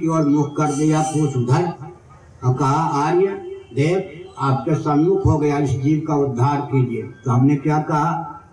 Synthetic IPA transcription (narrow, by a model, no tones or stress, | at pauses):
kioːɾmʊkʰkɐɾd̪ejapuːsʊd̪ʱa | kɐɦaaːɾjəd̪eːkʰaːp̚kesɐnmʊkʰɦoɡɐjaɪsd͡ʒiːʋkaʊd̪ʱːaːɾkiːd͡ʒiet̪oɦɐmnekjakɐɦa